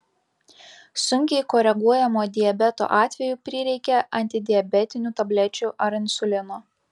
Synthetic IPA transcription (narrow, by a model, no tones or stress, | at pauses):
sʊŋʲkʲɛɪkɔɾʲɛɡuɔjɛmoːd̪ʲɪjɛbʲɛt̪o̰ːʔɑːt̪ʲʋʲɛjuːpʲɾʲɪːɾʲɛɪkʲɛʔɐnʲt̪ʲɪd̪ʲɪjɛbʲɛt̪ʲɪnʲuːt̪ɐbʲlʲɛt͡ʃʲʊʔɐɾɪnʲsʊlʲɪno